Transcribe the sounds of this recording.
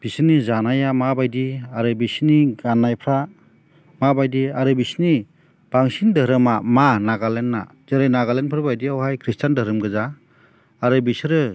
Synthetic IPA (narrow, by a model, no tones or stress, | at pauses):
b̥isnizanajamabajdiaɾɯbisniɡanːajpʰɾa | mabajdiaɾɯbisni | b̥aŋsindɯɾɯmamanaɡalenːa̰ | zɯɾɯjnaɡalenpʰɯɾbajdiawhajkʰɾistʰandəɾɯmɡɯza | aɾɯbisɾɯ